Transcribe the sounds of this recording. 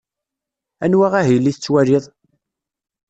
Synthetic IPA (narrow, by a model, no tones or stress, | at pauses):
æ̰nwaʁæɦijlːiθət͡sːwæɾiðˤ